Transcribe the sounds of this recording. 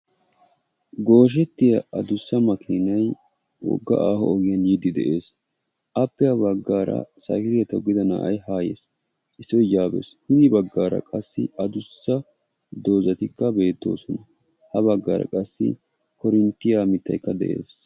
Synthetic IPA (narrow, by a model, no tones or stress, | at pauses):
ɡo̞ːʃ̬ɛt̪ːɪjɐɐd̪ʊsːɐmɐkʰiːnɐj | wɔ̰ɡːɐ̰ʔaːhɔ̰ɔɡɪjɐnjɪd̪ɪd̪ɛʔe̞ːs | ʔɐpːɪjabɐɡːaːɾɐ̰sa̰ːkɪɾɪjɐt̪ɐwɡɪd̪ɐna̰ːʔɐjɦaːjḛːs | ɪsːɔd͡ʒaːbḛshɪd̪ɪbɐɡːaːɾɐ̰kʼɐsːɪ̰ɐd̪ʊsːɐ | d̪o̞ːzɐt̪ɪkːɐbe̞ːt̪ːo̞̰ːsɔnɐ | hɐβɐɡːa̰ːɾɐ̰kʼɐsːɪ̰ | kɔɾɪnt̪ːɪjaːmɪt̪ːɐ̰jkːɐd̪ɛ̰ʔe̞̰ːs